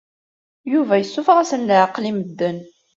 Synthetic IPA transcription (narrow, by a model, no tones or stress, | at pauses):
juvæjəsːʊfʁasənləʕəqliməd̪ːən